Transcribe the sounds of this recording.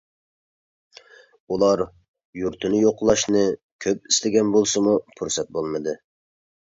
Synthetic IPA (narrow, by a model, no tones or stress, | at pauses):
ulˠɑɾ | juɾt̪ʰɨnɪjoqlˠɑʃnɨ | kʲʰøp̚ist̪ʰɪɡʲɛnbolˠsɨmupʰuɾsɛt̪̚bolˠmɨd̪ɨ